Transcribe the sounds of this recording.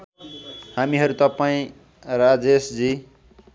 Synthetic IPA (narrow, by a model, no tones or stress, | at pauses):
hamiɦʌɾut̪ʌpaĩ | rad͡zesd͡zi